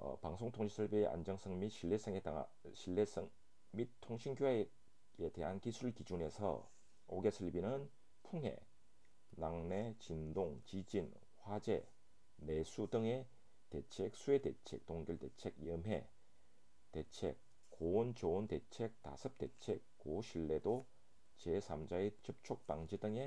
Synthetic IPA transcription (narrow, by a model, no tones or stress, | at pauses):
paŋsʰoŋtʰoŋɕʰisʰɯɭbieʔa̰nd͡ʑʌŋsʰɯŋmiɕʰiɭːes͈ʰeŋe | ɕʰilːesŋ | mitʰoŋɕʰinɡʲoa | ete̞ɦankisʰuɾɯɭkid͡ʑune̞sʰʌ̰ | oɡesʰɯɭbinɯn | pʰuŋɦe̞̰ | naŋnet͡ɕindoŋt͡ɕid͡ʑin | ɸwad͡ʑe̞̰ | nesʰudɯŋe | tet͡ɕʰek̚s͈ʰuetet͡ɕʰek̚toŋɡjuɭtet͡ɕʰeɡjɯmɦe̞̰ | tet͡ɕʰḛk̚ | kːoont͡ɕoontet͡ɕʰek̚ta̰sʰɯp̚t͈e̞̰t͡ɕʰekk͈ːoɕʰiɭːe̞do | t͡ɕesʰamd͡ʑaet͡ɕɯp̚t͡ɕʰok̚paŋd͡ʑedɯŋe̞